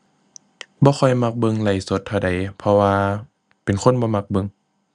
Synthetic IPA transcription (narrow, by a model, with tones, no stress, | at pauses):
bɔː˧˦xʰɔ˧˩jma˧˩k̚bɤ˧ŋla˨˧˩jso˧˦t̪̚ʰːa˧˨da˨˩jpʰɔ˧waː˧ | pe˨nkʰo˧˥˨nbɔː˧˦ma˧k̚bɤ˧ŋ